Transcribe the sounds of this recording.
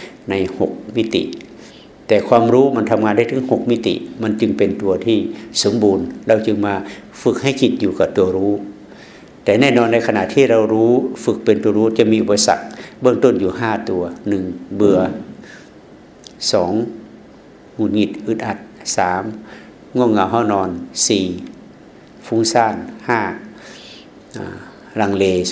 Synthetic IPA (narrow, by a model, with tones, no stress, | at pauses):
na˧˥˩jho˨˩k̚mi˦˧˥t̪ḭ˧˨ʔ | t̪ɛː˨˧˩kʰwaː˧˨mɾuː˦˥˨ma˧˥˨nt̪ʰa˧mŋaː˧nda˥˩jt̪ʰɯ˨˧˦ŋho˨˩k̚mi˧˥˨t̪ḭ˧˨ʔma˧˥˨nt͡ɕɯ˧ŋpe˨nt̪u˨˧ɐt̪ʰiː˧˩so˨˦mbuː˨nɾa˧wt͡ɕɯ˧ŋmaː˧ | fɯ˧˩k̚ha˥˩˨jkʰi˧˩t̪̚juː˧ka˧˩t̪u˨˧˩ɐɾuː˦˥ | t̪ɛː˨˩nɛː˥˩˨nɔː˧nda˧˥jkʰa˧na̰˧˨ʔt̪ʰiː˧˩˨ɾa˧wɾuː˦˧˥fɯ˧˩k̚pe˨nt̪u˨˧˦ɐɾuː˦˥t͡ɕa˧˩miː˧˥ʔu˧˩pa˧sa̰˧˩k̚bɤ˥˧˨ŋt̪o˧˥˨njuː˨˧˩ɦaː˧˥˩t̪u˧ɐnɯ˨˩ŋbɯ˧ɐ | sɔː˩˦ŋ | ŋu˧˩t̪̚ŋi˧˩t̪̚ʔɯ˧˦t̪̚ʔa˧˩t̪̚saː˨˦m | ŋu˧˩əŋa˧˩wɦa˧˥˨wnɔː˧nsiː˨˩ | fu˧˦ŋsaː˧˥˩nhaː˧˥˩ | ɾa˧ŋleː˧